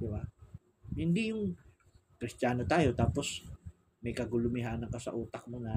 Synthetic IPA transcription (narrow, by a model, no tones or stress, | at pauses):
d̪ɪba | hɪnd̪ijʊŋ | kɾɪst̪jaːno̞t̪aːjo̞t̪aːpo̞s | mɐjkɐɡʊlʊmɪɦaːnɐŋkɐsɐ̰ʔuːt̪ɐk̚mʊna